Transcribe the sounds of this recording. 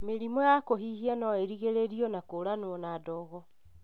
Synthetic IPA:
meɾimɔjakoɦihianɔeɾiɣeɾeɾiɔnakoɾanoɔnadɔːɣɔ

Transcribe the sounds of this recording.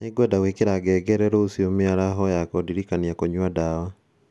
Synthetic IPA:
neɡwɛdawekeɾaɡɛɡɛɾɛɾoosiomeaɾaɦɔjakodiɾikaniakoɲwadawa

